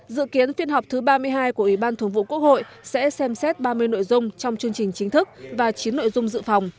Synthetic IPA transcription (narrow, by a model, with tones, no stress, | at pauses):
zɨ̰˧˨ki˨˦ənfi˧ənɦɔ˨˩wk͡p̚t̪ʰɨ˨˦ɓaː˧mɨ˧əjɦaː˧jku˧˩əʔwi˧˩ɓaː˧nt̪ʰu˧˩ŋvṵ˧˨˩ku˦˥ək̚ho̰˧˨j | sɛ̰˧˥sɛ˧msɛ˦˥t̚ɓaː˧mɨ˧əjno̰˧˨jzʊ˧ŋ͡mt͡ɕɔ˧wŋ͡mt͡ɕɨ˧əŋt͡ɕï˨˩ŋ̟t͡ɕï˨˦ŋt̪ʰɨ˦˥k̚vaː˨˩t͡ɕi˨˦nːo̰˧˨jzʊ˧ŋ͡mzɨ̰˧˨fa˨˩wŋ͡m